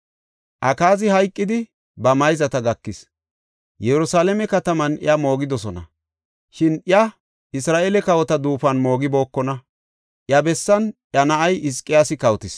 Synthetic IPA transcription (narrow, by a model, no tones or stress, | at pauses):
ʔɐkaːzɪhɐjkʼːɪd̪ɪ | bɐmɐjzɐt̪ɐɡɐkːɪs | jɛɾʊsaːlɛmɛkɐt̪ɐmɐnɪ̰jɐmo̞ːɡɪd̪ɔsɔnɐ̰ | ʃɪnɪɐ | ɪsɾaːʔɛlɛkɐwɔt̪ɐd̪uːfɐnmo̞ːɡɪbo̞ːkːɔnɐ | ʔjɐbɛsːɐnʔjɐnɐʔɐjʔɪskʼːɪjaːsɪkɐwt̪ɪs